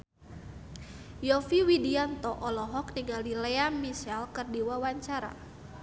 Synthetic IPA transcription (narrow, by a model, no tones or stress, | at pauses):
jɔfiwidiant̪ɔʔɔlɔɦɔk̚niŋɡaldilɛamisɛlkɨrdiwawaɲt͡ʃaɾa̰